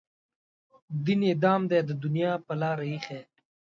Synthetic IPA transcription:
d̪ined̪ɑːmd̪eːd̪əd̪ʊnijɑːpəlɑːɾaixeː

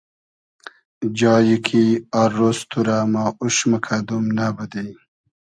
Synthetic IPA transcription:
d͡ʑɑːjikʰiaɾost̪ʰuɾamaːuʃməkʰad̪umnabəd̪ej

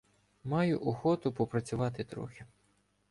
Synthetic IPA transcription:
mɑjʊʔɔxɔt̪ʊpɔpɾɐt͡sʲʊʋɑt̪ɪt̪ɾɔ̰xɪ

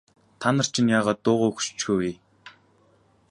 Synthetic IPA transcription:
t̪ʰanə̆r̥t͡ɕʰĭnjaːʁaːt̪ːʊːʁʊːxu̥t͡ɕt͡ɕxuweː

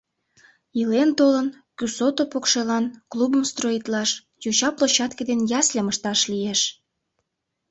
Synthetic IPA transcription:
ilent̪olən | kysot̪opokʃelɑnklubəmst̪roit̪lɑʃ | jot͡ɕɑplot͡ɕɑt̪ked̪enjɑslʲeməʃt̪ɑʃlieʃ

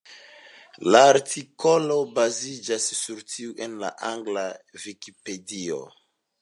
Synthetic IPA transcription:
laːɾtʰiko̞lo̞bazid͡ʒasːuɾtʰiuʔenla̰ʔaŋɡlavikipe̞dio̰

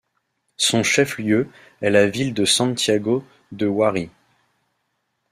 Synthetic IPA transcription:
sɔ̃ʃɛfljø | ɛlavild̪əsɑ̃t̪jaɡo | d̪əwaʁi

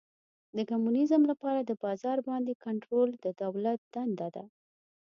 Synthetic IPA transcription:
d̪əkamunɪzəmlapɑɾad̪əbɑzɑɾbɑnd̪ekaɳʈɾold̪əd̪awlat̪̚d̪̥and̪ad̪a̰

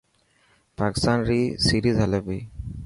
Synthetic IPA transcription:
paki̥st̪anɾisiɾizɦɛlabi

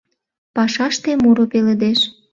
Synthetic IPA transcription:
pɑʃɑʃt̪emuɾopelĕd̪eʃ

